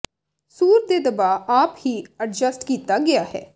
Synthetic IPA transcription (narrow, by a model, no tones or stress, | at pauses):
suːɾd̪eːd̪əbaːaːphiːəʈ̚d͡ʒəsʈkiːt̪aːɡɪaːɦɛ̰ː